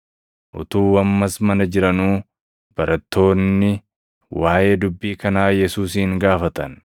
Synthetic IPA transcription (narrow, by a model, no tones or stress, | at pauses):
ʔʊ̰t̪uːwɐmːɐsmɐnɐd͡ʒɪɾɐnuː | b̥ɐɾʔɐt̪ːo̞ːnːɪ | waːʔe̞ːd̪ʊbːiːkɐnaːjɛsuːsiːŋɡaːfɐt̪ɐn